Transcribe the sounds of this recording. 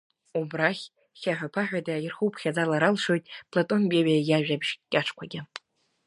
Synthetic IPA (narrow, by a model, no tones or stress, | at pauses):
ubraχʲ | χʲaħᶣapʰaħʷᶣadairχupʰχʲad͡zalaɾalʂo̞jtʼpʰlatʼo̞nɡʲeɥajjaʒᶣabʒkʲʼaʈ͡ʂʰkʷʰaɡʲɪ